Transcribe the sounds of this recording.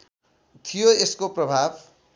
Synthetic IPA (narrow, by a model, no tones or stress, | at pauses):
t̪ʰijoeskoprʌbʱab